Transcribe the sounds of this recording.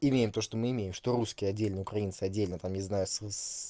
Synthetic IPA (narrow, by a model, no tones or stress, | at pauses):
ɪmʲejɪmt̪o̞ʂt̪omɨɪmʲejɪmʂt̪oɾuskʲɪjəɐdʲːelʲnəʊkɾɐint̪sɨɐdʲːelʲnət̪amnʲɪznajʊss